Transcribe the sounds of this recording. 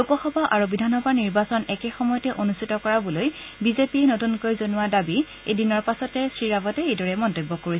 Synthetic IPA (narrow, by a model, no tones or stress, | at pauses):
upɔxɔbʱaʔaɹubidʱanɔbʱaniɹbasɔnɛkɛxɔmɔjɔtɛʔonustʰitɔkɔɹabɔloj | bizepiɛnotunkoɹizonuwaɹdabi | ḛjdinɔɹpasɔtɛsɹiɹabɔtɛejdɔɹɛmɔntojbːɔkoɹisɛ